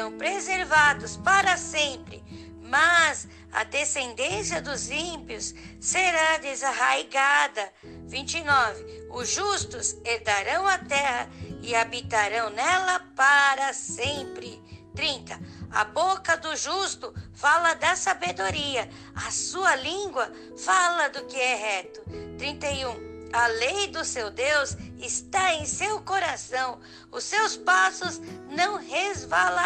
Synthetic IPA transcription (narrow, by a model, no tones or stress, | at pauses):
ɐ̃w̃pɾezeɾvad̪ʊspaɾɐsẽpɾɪ̰ | mɐz | ɐ̰d̪esẽnd̪ẽsiɐd̪ʊzĩpiʊsːeɾad̪ezaɦajɡad̪ɐ | vĩnt͡ʃɪnɔvɪ | ʊzʒust̪ʊseɾd̪aɾɐ̃w̃ɐt̪ɛhɐɪabit̪aɾɐ̃w̃nɛlɐpaɾɐsẽpɾɪt̪ɾĩnt̪ɐɐ̰bokɐd̪ʊʒust̪ʊfalɐd̪ɐsabed̪oɾiɐ | ɐsuɐlĩɡwɐ | falɐd̪ʊkɪɛɦɛt̪ʊt̪ɾĩnt̪ejũɐlejd̪ʊsewd̪ewzɪst̪aẽj̃sewkoɾasɐ̃w̃ | ʊsewspasʊznɐ̃w̃hezvala